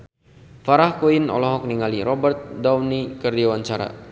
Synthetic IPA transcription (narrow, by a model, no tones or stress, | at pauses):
faɾahkoinɔ̰lɔɦɔk̚niŋaliɾɔbərt̪̚dawnikərdawaɲt͡ʃaɾa̰